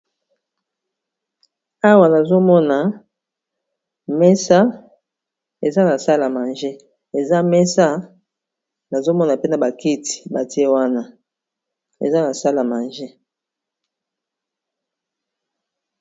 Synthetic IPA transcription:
a˦wa˨na˨zo˦mɔ˦na˨ | mɛ˦sa˦ | e˨za˦na˨sa˦la˨ma˨nʒe˦ | e˨za˦mɛ˦sa˦ | na˨zo˦mɔ˦na˨pe˦na˨ba˨ki˦ti̥˨ba˨ti˦e˦wa˦na˦ | ḛ˨za˦na˨sa˦la˨ma˨nʒe˦

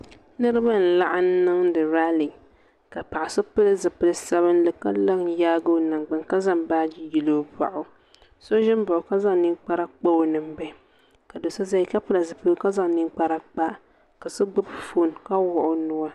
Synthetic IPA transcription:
nɨ˦ɾɨ˦ba˦n̩˨la˦ʔa˦n˦nɨ˦ŋdɨ˨ɾa˦li˨ | ka˨pa˨ʔa˨sɨ˦pɨ˦lɨ˦zɨ˨pɨ˦lɨ˦sa˦βɨ˦nlɨ˦ka̰˦la˦ŋjaː˦ɡo˦na˨ŋɡ͡ba˨ŋka˦za˦mbaː˦d͡ʒi˦ji˨lo˦ba̰˨ʔʊ˨ | so˦ʒɪ˦mbʊ˨ʔʊ˨ka˦za˦ŋnɨ˦ŋk͡pa˦ɾa˦k͡pa˦o˨nɨ˨mbɛ˦ | ka˨do˨sa˦za˦i˦ka˦pɨ˦la˨zɨ˨pɨ˦lka˦za˦ŋnɨ˦ŋk͡pa˦ɾa˦k͡pa˦ | ka˨sɨ˦ɡ͡bɨ˦bfo˦˨nka˦wʊ˦˨ʔʊ˦nʊ˦a˦

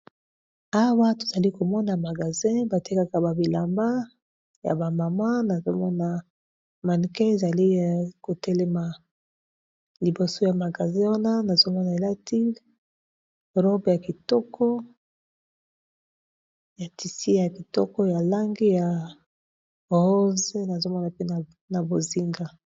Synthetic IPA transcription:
a˦wa˦to̥˨z̥a˨li˦ko˨mɔ˦na˨ma˨ɡa˨zɛ̃˦ba˨ti˦ka˦ka˨ba˨bi˨la˨mba˦ | ja̰˨ba˨ma˨ma˦na˨zo̰˦mɔ˦na˨ | ma˨n˨ke˦e˨za˨li˦ko˨tɛ˦lɛ˦ma˨ | li˨bo˨so˦ja˨ma˨ɡa˨zɛ̃˦wa˦na˦na˨zo˦mɔ˦na˨e˨la˦ti˦ | ʁo˦bja˨ki˨tɔ˦kɔ˦ | ja˨ti˨si˦ja˨ki˨tɔ˦kɔ˦ja˨la˦ŋɡi˦ja˨ | ʁo˦ze˦na˨zo˦mɔ˦na˨pe˦na˨ | na˨bo˨zi˦ŋɡa˦

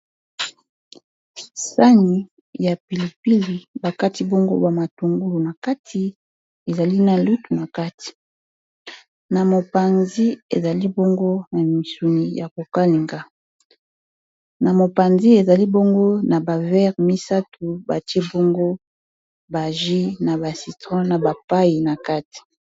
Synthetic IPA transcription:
sa˦ni˨ | ja˨pi˨li˨pi˦li˨ba˨ka˦ti˨bo˦ŋɡo̰˦ba˨ma˨tu˨ŋɡu˦lu˨na˨ka˦tʰi˨ | e˨za˨li˦na˨lu˦tu˨na˨ka˦tʰi̥˨ | na˨mo˨pa˨nzi˦e˨za˨li˦bo˦ŋɡo˦na˨mi˨su˨ni˨ja˨ko˨ka˦li˨ŋɡa˦ | na˨mo˨pa˨nzi˦e˨za˨li˦bo˦ŋɡo˦na˨ba˨vɛ˦ʁmi˦sa˦tʰu˨ba̰˨te˦bo˦ŋɡo˦ | ba˨ʒi˦na˨ba˨si˨tʁɔ̃˦na˨ba˨pa˦ji˨na˨ka˦ti̥˨

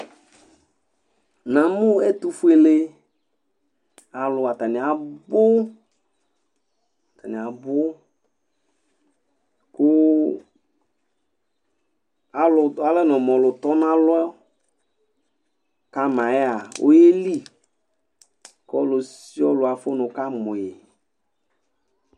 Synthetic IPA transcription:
nã˨mʊ̃˦ɛ˦t̪u˦fu˦e˨le˦ | a˨lʊ˨a˨t̪a˨nɪ˨a˨bʊ˦˨ | t̪a˨nɪ̃˨a˨bʊ˦ | kʊ˦ | a˨lʊ˨a˦lɛ˦nɔ˨mɔ̃˨lʊ˨t̪ɔ˦nã˦lʊ˦ɛ˦ | ka˦mã˨jɛ˦a˨wʔo̰˦je˦li˦˨ | kɔ˦lʊ˨si˦ɔ˦lʊ˨a˨fo˦nʊ˨ka˦mʊ˨je˨

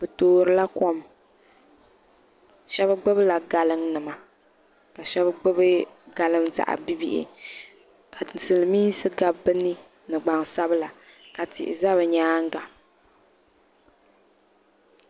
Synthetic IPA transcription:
b̥ɨ˨toː˦ɾɨ˦la˦ko˦m | ʃɛ˦bɨ˦ɡ͡bɨ˦bɨ˦la˨ɡa˨lɨ˦ŋnɨ˨ma˨ | ka˨ʃɛ˦bɡ͡bɨ˦bɨ˦ɡa˨lɨ˦mza̰˨ʔa̰˨bi˦bḭ˦ʔɪ̰˨ | ka˨ɨ˨sɨ˨lɨ˨miː˦sɨ˦ɡa˦bɨ˦nɨ˦ | nɨ˨ɡ͡ba˨ŋsa˦bɨ˦la˨ka˨tɪ̰˨ʔɪ̰˨za˦βɨ˨ɲaː˦ŋ˦ɡa˨

